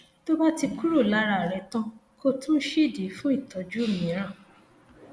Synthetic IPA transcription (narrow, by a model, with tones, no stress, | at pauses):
to˦ba˦ti˧ku˦ɾo˦˨la˦ɾa˧˨ɾɛ˨˧tã˧ko˦tũ˦ʃi˦˨di˨˦fũ˦i˦˨tʰɔ˨˦d͡ʒu˦˨mĩ˨˦ɾ̃ã˦˨